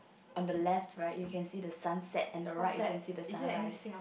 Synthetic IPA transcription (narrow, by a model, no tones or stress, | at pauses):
ʔɔ̃ndəlɛftʰɹaɪtjukʰɛ̃nsidəsãnsɛtɛ̃ndəɹaɪtjɛ̃nsidəsã